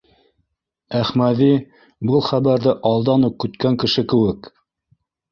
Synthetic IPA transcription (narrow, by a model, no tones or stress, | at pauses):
æχmæði | bɤlˠχæβæɾðɘʔɑlˠd̪ɑnuq̚kːɵ̆t̪kæŋkɘ̆ʃɘkɘ̆wɘk